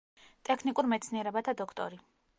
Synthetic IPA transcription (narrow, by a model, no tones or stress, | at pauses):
t̪ʼɛkʰnikʼuɾmɛt̪sʰniɛɾɛbat̪ʰad̪ɔkʰt̪ʼɔ̰ɾi